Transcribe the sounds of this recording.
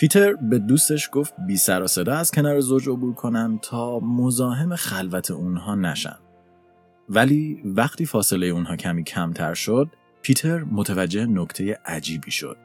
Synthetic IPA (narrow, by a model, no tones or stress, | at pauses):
pʰit̪ʰe̞ɾbe̞d̪uːst̪e̞ʃɡ̥o̞ft̪̚biːsæɾɒːse̞d̪ɒːæz̥cʰe̞nɒːɾe̞zo̞d͡ʒo̞buːɾkʰo̞nænt̪ʰɒːmo̞zɒːɦe̞me̞xælvæt̪ʰe̞ʔunɦɒːnæ̰ʃæ̰nd̪̥̚ | væliːvæχt̪ʰiːfɒːse̞le̞jeunɦɒːcʰæmiːcʰæmt̪ʰæ̰ɾʃod̪̥̚ | pʰiːt̪ʰe̞ɾmot̪ʰævæd͡ʒːehenokt̪ʰe̞je̞ʔæd͡ʒiːbiːʃo̰d̪̥̚